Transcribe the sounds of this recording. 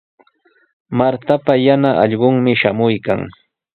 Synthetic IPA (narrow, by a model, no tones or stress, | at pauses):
maɾt̪apajanaʔɑʎɢoŋmɪʃamʊjka̰ŋ